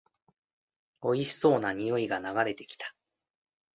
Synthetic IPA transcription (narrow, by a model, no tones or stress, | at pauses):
o̞iɕi̥so̞ːnaɲ̟ijo̞iɡanaɡaɾe̞t̪e̞̥kʲi̥t̪ḁ